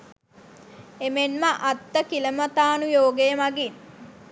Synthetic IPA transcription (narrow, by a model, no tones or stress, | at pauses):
emenməʔat̪ːəkiləmət̪aːnujoːɡejəmaɡin